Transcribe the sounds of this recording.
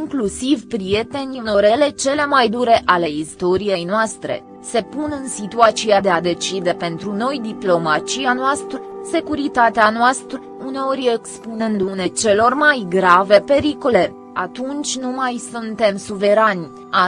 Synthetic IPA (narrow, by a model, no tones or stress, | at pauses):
iŋklusivpɾije̞t̪e̞nʲuno̞ɾele̞t͡ʃe̞le̞majd̪uɾe̞ʔale̞ist̪o̞ɾije̞jnoast̪ɾe̞̰ | se̞punɨnsit̪uat̪siad̪e̞ad̪e̞t͡ʃid̪e̞pe̞nt̪ɾuno̞jd̪iplo̞mat͡ʃijanoast̪ɾəse̞kuɾit̪at̪eanoast̪ɾə | uneo̞ɾʲekspunɨnd̪une̞t͡ʃe̞lo̞rmajɡɾave̞pe̞ɾikole̞ | at̪unt͡ʃʲnumajsunt̪e̞msuve̞ɾanʲ | a